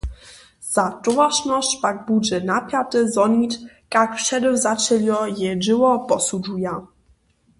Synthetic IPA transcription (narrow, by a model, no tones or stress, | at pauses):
z̥atɔvaʂnɔʂpaɡ̚bud͡ʒɛnapʲjat̪ɘzɔnit | kakfʂɛdɘwzat͡ʃɛljɔjɛʐɘwɔpɔsud͡ʒuja